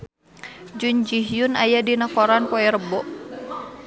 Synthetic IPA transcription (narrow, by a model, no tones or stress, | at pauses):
d͡ʒuɲd͡ʒiɦjunajadinakɔɾanpɔɛɾəbɔʔ